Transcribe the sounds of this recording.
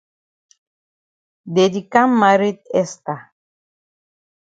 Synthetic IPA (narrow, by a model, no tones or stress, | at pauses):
d̪ed̪ikamːaɾit̪̚est̪a